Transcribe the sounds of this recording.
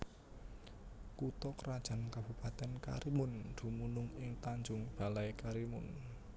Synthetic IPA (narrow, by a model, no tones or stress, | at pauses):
kut̪ɔkəɾad̥ʒ̥a̤nkab̥ṳpat̪ɛnka̰ɾimʊnd̪̥ṳmunʊŋɪŋt̪aɲd͡ʒʊŋb̥a̤lajkaɾimʊn